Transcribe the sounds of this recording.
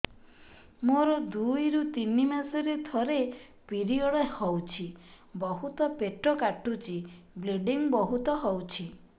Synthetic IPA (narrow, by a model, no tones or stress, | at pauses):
moɾɔd̪ujɾut̪inimasɔɾet̪ʰɔɾe | piɾiɔɭehɔwt͡ʃʰi | bɔɦut̪ɔpeʈɾɔkaʈʰut͡ʃʰibleɖiŋbɔɦut̪ɔɦɔwt͡ʃʰi